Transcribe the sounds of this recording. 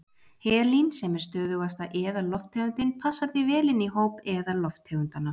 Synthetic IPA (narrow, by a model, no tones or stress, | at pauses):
hɛːlinsɛmɛɾ̥st̪œːðʏɣast̪aʔɛːðalɔft̪ʰɛɣʏnt̪ɪnpʰasːaɾθɪvɛːlɪniɦoːwpɛðalɔft̪ʰːeɣʏnt̪anːa